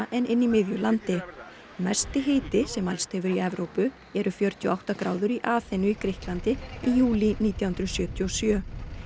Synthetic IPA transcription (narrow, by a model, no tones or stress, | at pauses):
ʔɛnʔɪnːimɪðjʏlant̪ɪ | mɛ̥st̪ɪɦeːjt̪ɪsɛmalst̪hɛvʏɾiɛvɾowpʏ | ɛɾʏfjœɾ̥t̪iɔ̰awht̪akɾaːwðʏɾiʔaːθenʏikɾɪhklant̪ɪijuːliniːt̪jahʏnt̪ɾʏsjœːt̪jiosjœː